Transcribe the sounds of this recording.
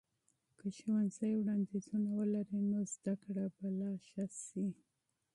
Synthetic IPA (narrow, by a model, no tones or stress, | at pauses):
kəʃowanzəjwɽɑnd̪izunawəlaɾinozd̪akɽabalɑʃasi